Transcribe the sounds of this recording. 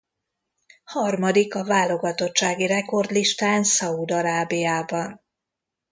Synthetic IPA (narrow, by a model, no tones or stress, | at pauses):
hɒrmɒd̪ikɒvaːlːo̞ɡɒt̪o̞tt͡ʃːaːɡirɛko̞rd̪liʃt̪aːnsɒud̪ɒɾaːbijaːbɒn